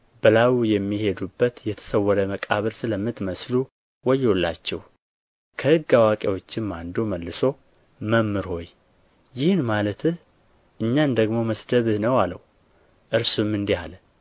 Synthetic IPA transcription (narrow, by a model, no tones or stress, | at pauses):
bəlawjɛmːihe̞d̪ubːət̪jɛt̪ʰə̥səwːɔɾəməkʼaβəɾsɨləmːɨt̪məslu | wɔjolːa̰t͡ʃːɛ̰w | kʰəhɨɡːawakʼewo̞t͡ʃːɪmmand̪oməlːɨso̞ | məmːɨɾho̞j | jɪhnmalət̪ʰɨh | ʔɨɲːand̪əɡmo̞məsd̪əβɨhnəwalə̰w | ʔɨɾsumɨnd̪ihalə